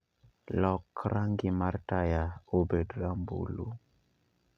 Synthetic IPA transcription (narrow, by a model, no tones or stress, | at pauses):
lɔkɾaŋɡɪmartajaobedɾambṵlṵ